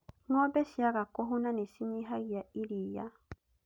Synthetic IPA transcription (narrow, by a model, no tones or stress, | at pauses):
nuobesiakakoɦunanisiɲiɦaɣiaiɾiːja